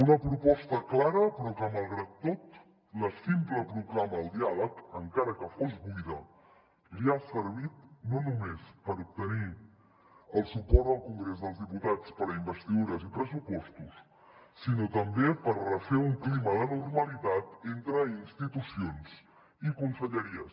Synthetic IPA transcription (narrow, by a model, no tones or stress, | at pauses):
unəpɾupɔst̪əklaɾəpɾɔkəməlˠɣɾat̪ːot̪ | ləsimpləpɾuɣlaməəlˠd̪ialəkəŋkaɾəkəfozβujðə | liasəɾβ̞it̪̚nonumespəɾup̚t̪əni | əlˠsupɔɾd̪əlˠkuŋɡɾezðəlˠzðiput̪at͡spəɾəimbəst̪iðuɾəzipɾəsupɔst̪usː | inot̪əmbepərrəfeuŋkliməðənurməlit̪at̪ent̪ɾəinst̪it̪usions | ikunsəʎəɾiəs